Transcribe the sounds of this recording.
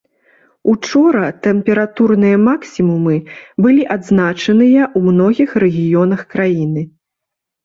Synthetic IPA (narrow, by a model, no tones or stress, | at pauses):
ut͡ʂɔɾɐt̪ɛmpʲɛɾat̪urnɨjɐmaksʲimumɨbɨlʲiʔad̪znat͡ʂɐnɨjɐʔumnɔɣʲixrɛɣʲijɔnɐxkɾajinɨ